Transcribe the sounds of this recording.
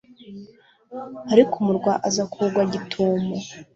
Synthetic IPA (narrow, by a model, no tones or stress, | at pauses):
aɾikʰumuɾɡwaʔazakʰuɡwaɟitʰuːmo